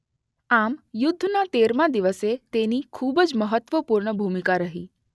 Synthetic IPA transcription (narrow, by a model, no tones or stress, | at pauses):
amjʊd̪ʱːnat̪eɾmãd̪iʋəset̪enikʰubəd͡ʒməɦət̪ːʋəpuɾɳəbʱumikaɾəɦḭ